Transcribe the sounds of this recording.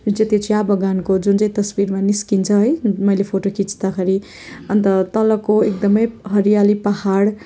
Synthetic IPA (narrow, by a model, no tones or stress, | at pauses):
d͡zet̪et͡sʰijabʌɡankod͡zunt͡saĩt̪ʌsbiɾmaniskint͡sʰʌɦʌjmʌjlepʰoʈokit͡sʰt̪akʰʌɾi | ʌnt̪ʌt̪ʌlʌkːoek̚d̪ʌmʌjɦʌɾijalipʌhaɽ